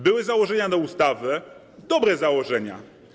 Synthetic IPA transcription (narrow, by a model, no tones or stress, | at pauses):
bɘwɘzawɔʐɛɲad̪ɔust̪avɘ | d̪ɔbɾɛzawɔʐɛɲa̰